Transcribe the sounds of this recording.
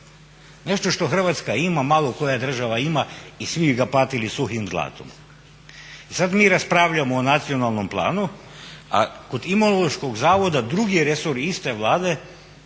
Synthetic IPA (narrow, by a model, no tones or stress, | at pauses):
ne̞ʃt̪o̞ʃt̪o̞xr̩ʋat̪skaimamalo̞ko̞jad̪r̩ʒaʋaimaisʋiiɡapat̪ilisuximzlˠa̰ːt̪o̰m | isad̪miːɾaspɾaːʋʎamoːnat̪sio̞nalˠno̞mplˠa̰ːnu | a̰kod̪imolˠoʃko̞ɡzaːʋo̞d̪ad̪ɾuɡiɾesoɾist̪e̞ʋlˠaːd̪e̞